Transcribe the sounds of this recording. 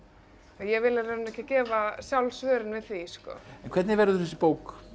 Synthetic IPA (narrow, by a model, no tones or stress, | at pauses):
ajɛvɪlɪɾɛɾnɛhcɪcɛːvasjawlsvœːɾɪnvɪðθiskɔ̰ɛnkʰvɛɾt̪nɪvɛɾɪðʏθɛsːɪpoːwk